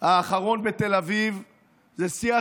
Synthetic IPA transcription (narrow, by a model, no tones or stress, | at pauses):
aːχaʁo̞nbe̞t̪e̞laviv | zesia